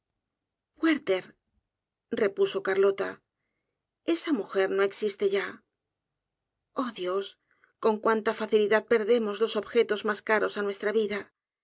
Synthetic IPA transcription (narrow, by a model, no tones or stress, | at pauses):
weɾt̪e̞ɾ | re̞puso̞kaɾlo̞t̪a | e̞samuxe̞ɾno̞e̞ksist̪e̞ʝa | o̞ðjo̞s | ko̞ŋkwant̪afaθiliðað̚pe̞ɾðe̞mo̞zlo̞so̞βxe̞t̪o̞zmaskaɾo̞sanwe̞st̪ɾaβiða